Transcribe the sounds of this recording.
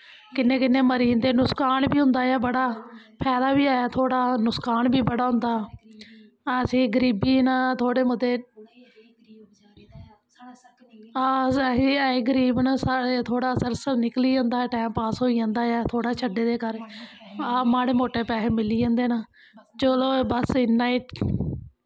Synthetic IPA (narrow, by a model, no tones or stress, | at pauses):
kɪnːẽːkɪnːeːməɾiːnd̪eːnʊskaːnbiːɦʊ̃nd̪aːjɛːbəɽaː | pʰɛːd̪aːbiːaːjaːt̪ʰoːɽaːnʊskaːnbiːbəɽaːɦʊ̃nd̪aː | əsĩːɡəɾiːbiːnat̪ʰoːɽeːmʊd̪eː | sĩːeːɡəɾiːbnasaet̪ʰoːɽaːsəɾsənɪkliːãːnd̪aːʈɛːmpaːsɦoːiːãːnd̪aːjaːt̪ʰoːɽaːt͡ʃʰəɖeːd̪eːkəɾ | amaːɽeːmoːʈeːpɛːɦeːmɪliːãːnd̪eːnaː | t͡ʃəloːbəsɪnːaːiː